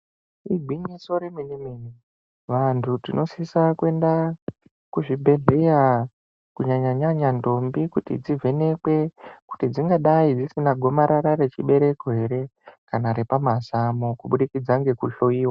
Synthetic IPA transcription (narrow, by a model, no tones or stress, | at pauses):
iɡʱwiɲiso̞ɾeminimini | ʋantʰutinʔo̞sisakue̞nda | kuʐibʱe̞ɮe̞ja | kuɲaɲaɲaɲando̞mbikutḭd͡zivʱe̞ne̞kwe̞ku̥tid͡ziŋɡaɗaid͡zisinaɡʱo̞maɾaɾare̞t͡ʃiɓe̞ɾe̞koɦe̞ɾe̞kanaɾepamasamokuɓuɗikid͡zaŋɡe̞kuɬo̞iːwa